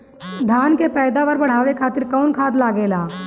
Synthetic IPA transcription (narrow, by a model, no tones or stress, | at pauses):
d̪ʱaːnkepɛːd̪aʋɐɾbəɽ̤aːʋekʰaːt̪ɪɾkɔːnkʰaːd̪laːɡeːlaː